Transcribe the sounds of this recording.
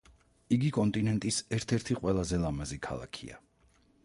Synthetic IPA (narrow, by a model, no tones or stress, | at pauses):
iɡikʼɔnt̪ʼinɛnt̪ʼisɛɾt̪ʰɛɾt̪ʰiqʼwɛlˠazɛlˠamazikʰa̰lˠa̰kʰḭa̰